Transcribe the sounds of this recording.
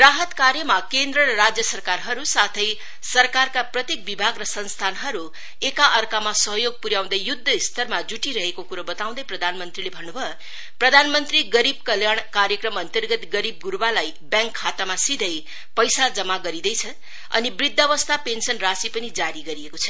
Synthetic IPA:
raɦʌt̪kaɾjʌmakend̪ɾʌɾʌɾad͡zjʌsʌrkarɦʌɾusat̪ʰʌj | sʌrkarkaprʌt̪jek̚bibʱaɡrʌsʌnst̪ʰanɦʌɾu | ekaʔʌrkamasʌɦjoɡ̚puɾjaw̃d̪ʌjjud̪ʱːʌist̪ʰʌrmad͡zuʈiɾʌɦekokuɾʌbʌt̪aw̃d̪ʌjprʌd̪ʱanmʌnt̪rilebʱʌnːubʱʌ | prʌd̪ʱanmʌnt̪riɡʌɾib̚kʌljaɳ̃kaɾjʌkrʌmʌnt̪ʌrɡʌt̪ɡʌɾib̚ɡuɾbalaj | bjãŋkʰːat̪amasid̪ʱʌj | pʌjsad͡zʌmaɡʌɾid̪ʌjt͡sʰʌ | ʌ̰nibrid̪ʱːʌβʌst̪ʰapensʌnrasipʌnid͡zaɾiɡʌɾiekot͡sʰʌ

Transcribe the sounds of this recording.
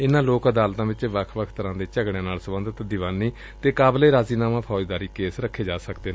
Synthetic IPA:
ɪnãːloːkəd̪aːlt̪ãːʋɪt͡ʃʋəkʰʋəkʰt̪əɾãːd̪eːt͡ʃəɡɽẽːnaːlsəbənd̪ət̪d̪ɪʋaːniː | t̪eːkaːbleːɾaːziːnaːmãːpʰɔːd͡ʒd̪aːɾiːkeːsɾəkʰːeːd͡ʒaːsəkd̪eːnː

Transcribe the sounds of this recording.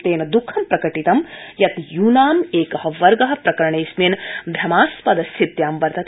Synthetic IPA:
t̪eːnɐd̪ukʰːɐmpɾɐkɐʈit̪ɐmjɐt̪juːnaːmeːkɐɦɐʋɐɾɡɐɦɐ̆pɾɐkɐɾɳeːsmeːnb̪ʱjɐmaːspɐd̪ɐsʰit̪jaːmʋɐɾt̪ɐ

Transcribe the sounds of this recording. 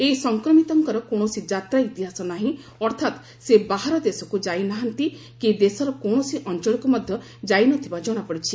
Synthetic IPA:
eisɔŋkɾɔmit̪ɔŋkɔɾɔkɔɽ̃ɔsid͡ʒat̪ɾait̪iɦasɔnaɦĩ | ɔɾt̪ʰat̪ | sebaɦaɾɔd̪esɔkud͡ʒajnaɦant̪i | ked̪esɔɾɔkɔɽ̃ɔsiʔɔnt͡ʃɔɭɔkumɔd̪ʱjɔ | d͡ʒajnɔt̪ʰibad͡ʒɔɽ̃apɔɽit͡ʃʰi

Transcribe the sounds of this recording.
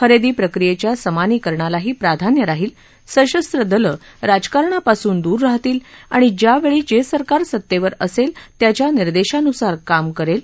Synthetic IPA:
xəɾed̪iːpɾəkɾijet͡ɕjasəmaniːkəɾɳalaɦiːpɾad̪ʱanjəɾaɦiːl | səɕəst̪ɾəd̪ələ | ɾad͡zkaɾɳapasuːnd̪uːɾːaɦt̪iːla̰ɽ̃id͡ʑjaʋeɭiːd͡ʑesəɾkaɾsət̪ːeʋəɾəselt̪jat͡ɕjaniɾd̪eɕanusaɾkamkəɾel

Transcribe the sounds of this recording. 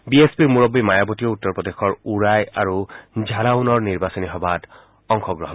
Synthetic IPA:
biespiɹmuɹɔbːimajabɔtijɔutːɔɹpɹɔdexɔɹuɹajaɹuzʱalaunɔɹniɹbasɔniɦɔbat | ɔŋxɔɡɹɔɦɔn

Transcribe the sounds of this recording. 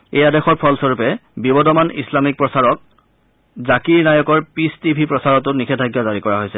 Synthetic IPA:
ejadexɔɹpʰɔlsɔɹupɛbibɔdɔmanḭslamik̚pɹɔsaɹɔk̚ | zakiɹnajɔkɔɹpistipʰipɹɔsaɹɔtʊnikʰɛdʱaɡjɔzaɹikɔɹaɦojsɛ

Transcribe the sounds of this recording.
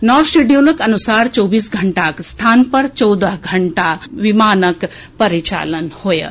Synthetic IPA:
nɔːɾsʈeɖijoːləkɐnusaːɾt͡ʃɔːbiːsɡʱəɳʈaːkst̪ʰaːnpɐɾt͡ʃɔwd̪əɦɡʱɐɳʈaʋimaːnəkpɐɾit͡ʃa̰ːlənhojə̰

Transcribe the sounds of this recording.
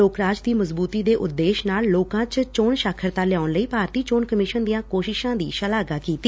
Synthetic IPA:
oːkɾaːd͡ʒd̪iːməzbuːt̪iːd̪eːʔʊt̪ːeːʃnaːlːoːkãːt͡ʃt͡ʃoːɳʃaːkʰəɾt̪aːljaːʊnləiːpaːɾt̪iːt͡ʃoːnkəmɪʃənd̪ijãːkoːʃɪʃãːd̪iːʃəlaːɡaːkiːt̪i

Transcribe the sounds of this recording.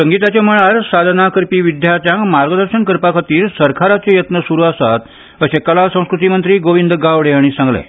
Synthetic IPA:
səŋɡit̪at͡ɕeməɭaɾsad̪ʱnakəɾpiːʋid̪ʱjat̪jãkmaɾɡəd̪əɾɕənkəɾpakʰət̪iːɾsəɾkʰaɾat͡sejət̪nəsuɾuasat̪ | əɕekəlasə̃w̃skɾut̪̬imənt̪ɾiːɡoʋind̪ʱɡaʋɽeaɽ̃isãŋɡlḛ

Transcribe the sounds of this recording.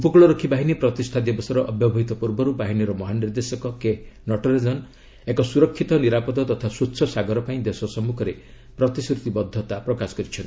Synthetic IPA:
upɔkuɭɔɾɔkʰːibaɦinipɾɔt̪ist̪ʰad̪jɔbɔsɔɾɔʔɔbjɔbʱɔɦit̪ɔpuɾbɔɾubaɦiniɾɔmɔɦaniɾd̪esɔkɔkenɔʈɔɾed͡ʒɔn | ekɔsuɾɔkʰːit̪ɔniɾapɔd̪ɔt̪ɔt̪ʰasutːsʰɔsaɡɔɾɔpaĩd̪esɔsɔmukʰɔɾe | pɾɔt̪iskɾut̪ibɔd̪ʱːɔt̪apɾɔkasɔ̥kɔɾit͡ʃʰɔni̥

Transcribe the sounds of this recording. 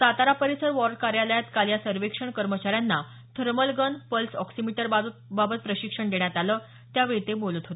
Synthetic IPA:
sat̪aɾapəɾisəɾʋɔɾɖ̚kaɾjaləjat̪kalijasəɾʋekʂəɳkəɾmət͡ɕaɾjanːa | t̪ʰəɾməlɡənpəlsɔksimiʈəɾbabət̪̚pɾəɕikʂəɳɖ̪eɳjat̪aləː | t̪jaʋet̪ebolət̪ɦot̪e

